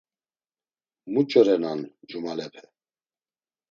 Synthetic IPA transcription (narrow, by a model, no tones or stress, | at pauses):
mut͡ʃʼəɾɛnand͡ʒumalɛpʰɛ̥